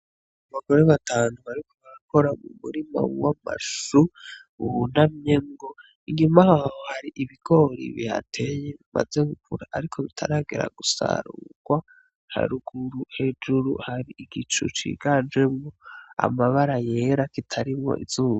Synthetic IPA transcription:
aβaɡo̞ɾeβataːnuβaɾikoβaɾako̞ɾamumuɾima̰wama̰ʃu | uβunamɲemɡo | iŋɡimahahhohaɾiʔiβiɡo̞ɾḭβiha̰tʰejeβima̰ze̞ɡukʰuɾaʔaɾikʰo̞βitʰa̰ɾaːɡeɾa̰ɡusa̰ɾuɡ̥wa | ha̰ɾuɡ̥uɾuhe̞d͡ʒuɾṵhaɾiiɡit͡ʃṵt͡ʃḭɡad͡ʒe̞mŋoa̰maβaɾaje̞ɾakitʰaɾimŋo̰ʔḭzuːa

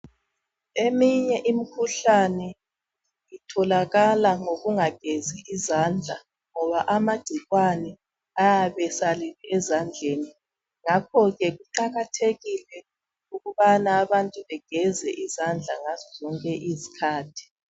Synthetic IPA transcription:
emiɲɛʔimikʰuɬanɛ | itʰɔlaɣalaŋoɣuŋaɡ̥ʱeziːzand͡ɮʱa | ŋɔβaʔamaɡ͡ǀ̥ʱiɣwanɛ | ajaβɛsaliliɛzand͡ɮʱeːni | ŋakʰɔɣɛɣuǃaɣatʰeɣilɛ | uɣuβanaːβantʼuβɛɡ̥ʱɛzɛʔizand͡ɮʱaŋazɔzɔŋkʼɛʔizikʰaːtʰi̥

